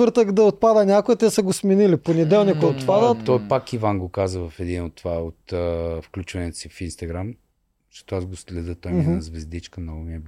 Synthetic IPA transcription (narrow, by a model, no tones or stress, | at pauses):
ɤɾt̪əkd̪ɐot̪̚pad̪ənʲakoɛt̪ɛsəɡosmɛniliponɛd̪ɛlˠnikʊjɛot̪pad̪ətt̪ɔjpakivanɡokazəvɐfɛd̪inot̪ːovaot̪əfklʲut͡ʃvɐnɛt̪ʊ̥sifinst̪ɐɡɾam | ʃo̥t̪oazɡoslɛd̪ət̪ojɛd̪azvɛzd̪it͡ʃkəmnɔɡʊmiɛb